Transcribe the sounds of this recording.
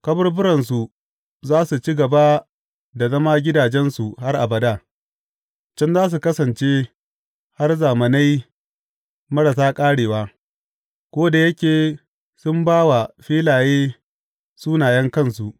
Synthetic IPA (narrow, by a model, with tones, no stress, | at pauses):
kɐ˦bɐ˦rbʊ˦ɾɐ˨ns̬u˨ | zaː˦su˨t͡ʃi˦ɡɐ˨ba˦ | da˨zɐ˦maː˦ɡʲɪ˦daː˨d͡ʒɛ˦nsu˨ha˦rʔa̰˨bɐ˨daː˦˨ | t͡ʃɪ˦nzaː˦s̬u˨kɐ˦sɐ˨nt͡ʃeː˦ | ha˦rzaː˨mɐ˨na˦j | mɐ˦ɽɐ˨saː˦kʼaː˦ɽeː˨waː˦ | kʷoː˦da˨jɐ˦kʲeː˨ | sʊ˦mbaː˦wa˨ɸiː˦laː˨jeː˦ | suː˦naː˨jɛ˦ŋkɐ˦˨nsu˨ʔ